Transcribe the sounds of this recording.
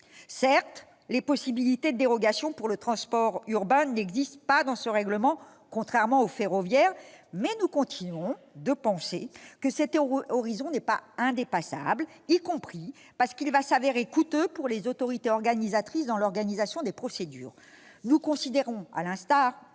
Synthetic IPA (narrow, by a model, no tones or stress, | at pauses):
sɛʁt̪ | lepɔsibilit̪ed̪əd̪eʁɔɡasjɔ̃puʁlət̪χɑ̃spɔʁyʁbɛ̃nɛɡzist̪pad̪ɑ̃səʁɛɡləmɑ̃ | kɔ̃t̪χɛʁmɑ̃ofeʁɔvjɛːʁmɛnukɔ̃t̪ʰinɥɔ̃ | d̪əpɑ̃sekəsɛt̪ɔʁizɔ̃nɛpaɛ̃d̪epasa̰blikɔ̃pχi | paʁsə̥kilvasaveʁekut̪øpuʁlezot̪ɔʁit̪eɔʁɡanizat̪χisd̪ɑ̃lɔʁɡanizasjɔ̃d̪epχɔsed̪y̰ːʁ | nukɔ̃sid̪eʁɔ̃a̰lɛ̃st̪aːʁ